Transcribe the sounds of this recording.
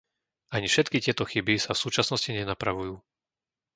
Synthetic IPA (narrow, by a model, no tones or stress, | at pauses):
aɲifʃɛt̪kicɪɛt̪ɔxibisafsuːt͡ʃasnɔsciɲɛnapɾaʋujuː